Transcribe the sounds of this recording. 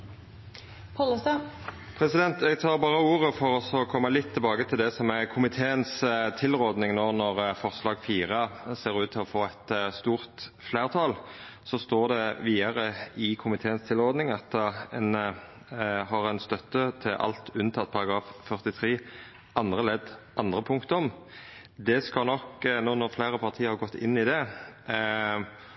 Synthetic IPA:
pʰɑləsɑ | pʰɾɛsɪd̪ɛnt̪ɛɡt̪ʰɑːʁbɑːʁəuːʁəfɔɾɔsɔkʰɔmːəlɪt̪ʰːɪlbɑːɡət̪ʰɪld̪ɛsɔmækʰʊmɪt̪ʰeːənst̪ʰɪlʁoːd̪nɪŋnoːnɔʁfɔʁslɑːɡfiːʁəseːʁʉːt̪ʰːɪlɔfoːɛt̪st̪uːʁt̪flæːʁt̪ʰɑːlsɔst̪oːʁd̪ɛʋiːɑʁəɪkʰʊmɪt̪ʰeːənst̪ʰɪlʁɔʁd̪nɪŋɑt̪ɛn | hɑʁɛnst̪œt̪ːət̪ʰɪlʔɑ̰lt̪ʉnt̪ʰɑt̪̚ːpʰɑʁɑɡʁɑːffœʁt̪ɪt̪ʰʁeː | ʔɑnd̪ʁəlɛd̪ʔɑnd̪ʁəpʰʊŋkt̪əɔm | d̪ɛskɑlnɔknoːnɔʁfleːɾəpʰɑʁt̪ʰiːəɾhɑʁɡɔt̪ːɪ̰nːɪd̪ɛ

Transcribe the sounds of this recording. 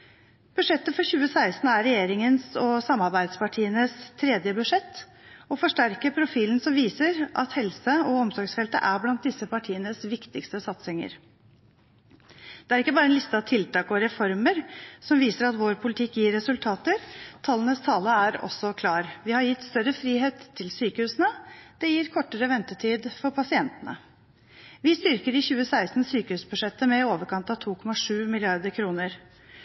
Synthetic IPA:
b̥ʉʂɛt̪ːəfɔɾçʉːəsæɪst̪n̩æɾɛjeːɾɪŋənsɔsɑmːɑɾbæɪd̪spɑʈʰiːənəst̪ʰɾɛːd̪jəbʉʂɛt̪ː | ɔfɔʂʈæɾkəpʰɾʊfiːln̩sɔmʋiːsəɾʔɑ̰t̪hɛlsəɔɔmsɔɾɡsfɛlt̪ə̰ʔæɾblɑnt̪̚d̪ɪsːəpɑʈʰiːənəsʋɪkt̪ɪkst̪əsɑt̪sɪŋə̰ɾ | d̪̥ɛæɾɪkːəbɑːɾəɛnlɪst̪əɑʋt̪ʰɪlt̪ɑːkɔɾɛfɔɾməɾsɔmʋiːsəɾɑt̪ʋoːɾpʰʊlɪt̪ʰɪkːjiːɾɛsʉlt̪ʰɑːt̪əɾt̪ʰɑlənəst̪ʰɑːləæɾɔ̰sɔkʰlɑːɾʋɪhɑɾjɪt̪ːst̪œɾəfɾiːɦeːt̪ʰːɪlsyːkəhʉːsənəd̪̥ɛjiːɾkʰɔʈːəɾəʋɛnt̪ət̪ʰiːd̪fɔɾpʰɑsɪɛnt̪ənə̰ | ʋɪst̪ʏɾkəɾɪçʉːəsæɪst̪n̩syːkəhʉːsbʉʂɛt̪ːəmɛoːʋəɾkʰɑnt̪ɑʋt̪ʰuːkʰɔmɑʂʉːmɪlɪɑɾd̪əɾkʰɾuːnəɾ

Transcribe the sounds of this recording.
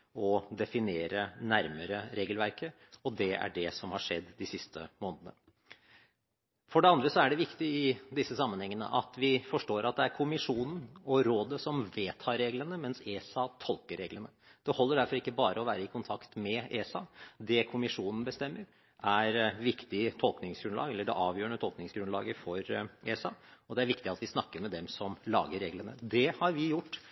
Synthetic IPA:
ɔd̪ɛfɪneːɾənæɾməɾəɾeːɡəlʋæɾkə | ɔd̪ɛæ̰ɖɛsɔmhɑʂɛd̪ːd̪ɪsɪst̪ʰə̰moːnd̪ənə̰ | fɔɖɛɑnd̪ɾəsɔæɖɛʋɪkt̪ɪɪd̪ɪsːəsɑmːənhɛŋːənə̰ʔɑt̪ʋɪfɔʂʈoːɾʔɑt̪̚d̪ɛæɾkʰʊmɪʂuːnn̩ɔɾoːd̪əsɔmʋeːt̪ʰɑːɾeːɡlənəmɛnseːsɑt̪ʰɔlkəɾːeːɡlənə | d̪̥ɛhɔlːəɖæɾfɔɾɪkːəbɑːɾəɔʋæːɾəɪkʰʊnt̪ʰɑkt̪mɛeːsɑd̪ɛkʰʊmɪʂuːnn̩bəst̪ɛmːəɾ | ʔæɾʋɪkt̪ɪt̪ʰɔlknɪŋsɡɾʉnlɑ̰ːɡɛlːəɖɛ̰ʔɑːʋjøːəɳət̪ʰɔlknɪŋsɡɾʉnlɑːɡəfɔɾeːsɑɔd̪ɛæɾʋɪkt̪ɪɑt̪ʋɪsnɑkːəɾmɛd̪ɛmsɔmlɑ̰ːɡəɾːeːɡlənə̰d̪ɛhɑɾʋɪjʊʈː

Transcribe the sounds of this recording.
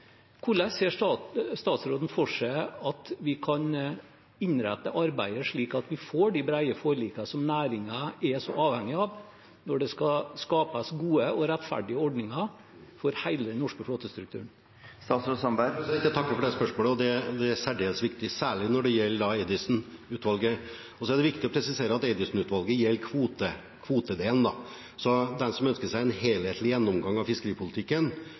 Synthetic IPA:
kʰʊɭɛseːʂst̪ɑːt̪sɾoːd̪n̩fɔʂæɪɑt̪ʋɪkʰɑn | ɪɲɾæt̪ːəʔɑɾbæɪəʂɭiːkɑt̪ʋɪfoːɖɪbɾæɪəfoːɾɭiːkɑsɔmnæːɾɪŋɑɛsɔ̰ʔɑːʋhɛŋːɪɑʋ | nɔɖɛskɑskɑːpəsɡuːəɔɾɛt̪ːfæ̰ɖɪəɔɖnɪŋɑ | fɔɾhæɪləd̪ɛnɔʂkəfloːt̪əst̪ɾʉk̚t̪ʰʉ̰ːɳ | st̪ɑːt̪sɾusɑnbæɪt̪ːæt̪ʰɑkːəɾfɔɖ̪ɛspœʂmoːləɔd̪ɛd̪ɛæsæɖeːlsʋɪkt̪ɪsæːɭɪnɔɖɛjɛlːəɖ̪ɑɛɪd̪ɪsn | ʉːt̪ʋɑlɡə | ɔsɔæɖɛʋɪkt̪ɪɔpʰɾɛsɪseːɾəɑt̪ɛɪd̪ɪsnʉːt̪ʋɑlɡəjɛlːkʰʋuːt̪ə | kʰʋuːt̪əd̪eːlnd̪ɑ | sɔd̪ɛnsɔmœnskəʂæɪɛnheːlheːt̪ʰlɪjɛnːɔmɡɑŋːɑʋfɪskəɾiːpʰʊlɪt̪ʰɪkːən

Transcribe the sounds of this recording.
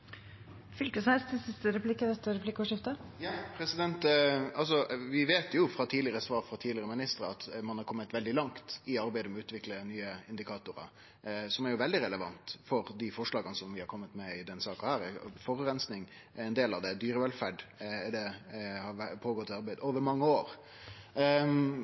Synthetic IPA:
fʏlkəsæɪst̪ʰɪsɪst̪əɾɛpʰlɪkːəʋɛt̪ːəɾɛpʰlɪkːɔʂɪft̪əjɑːpʰɾɛsɪd̪ɛnt̪ɑlsɔʋɪʋeːt̪jʊfɾɑt̪ʰiːd̪lɪəɾəsʋɑːɾfɾɑt̪ʰiːdlɪəɾəmɪnɪst̪əɾəɑt̪mɑnhɑɾkʰɔmːət̪ʋɛld̪ɪlɑŋkt̪ɪɑɾbæɪd̪əmɔʉːt̪ʋɪklənyːəɪnd̪ɪkʰɑːt̪ʊɾɑ̰ | sɔmɛɾjʊʋɛld̪ɪɾɛləʋɑ̰nt̪fɔɾd̪ɪfɔʂlɑːɡənəsɔmʋɪhɑɾkʰɔmːət̪mɛɪd̪ɛnsɑːkɑhæːɾɛfɔɾʉɾɛnsnɪŋ | ɛnd̪eːlɑʋd̪ɛd̪yːɾəʋɛlfæɖɛd̪ɛhɑʋæpʰoːɡɔt̪ːɪɑɾbæɪd̪əoːʋəɾmɑŋːəoːɾ

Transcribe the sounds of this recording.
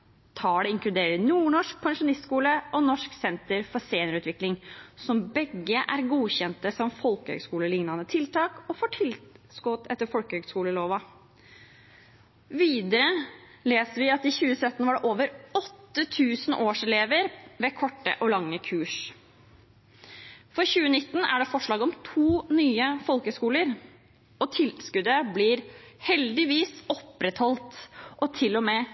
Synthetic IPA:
t̪ʰɑːɖɛɪŋklʉd̪eːɾəɾnuːɳɔʂk̚pʰɑŋʂʊnɪst̪skuːləʔɔnɔʂksɛnt̪əɾfɔɾseːnəɾʉːt̪ʰʋɪklɪŋsɔmbɛɡːəʔæɾɡuːçɛnt̪əsɔmfɔlkəhø̰ːɡskuːləlɪŋnɑnət̪ʰɪlt̪ʰɑːkɔfoːʈʰɪlskoːt̪ʰɛt̪ːəɾfɔlkəhøːɡskuːləloːʋɑ | ʋiːd̪əɾəleːsəʋɪɑt̪ɪçʉːəsœt̪ːn̩ʋɑɖɛʔoːʋəɾɔt̪ːət̪ʰʉːsənʔoːʂɛleːʋəɾʋɛkʰɔʈːə̰ʔɔlɑŋːəkʰʉːʂ | fɔɾçʉːənɪt̪ːn̩æ̰ɖɛfɔʂɭɑːɡɔmt̪ʰuːnyːəfɔlkəskuːləɾ | ɔt̪ʰɪlskʉd̪əblɪɾhɛld̪ɪʋiːsɔpɾɛt̪hɔlt̪ʔɔt̪ʰɪlːɔmɛː

